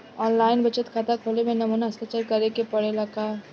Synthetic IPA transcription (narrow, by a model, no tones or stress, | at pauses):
ɔːnlaːɪnbɐt͡ʃət̪kʰaːt̪akʰoːlemẽnɐmuːnaɐst̪at͡ʃəɾkɐɾekepɐɽelɐka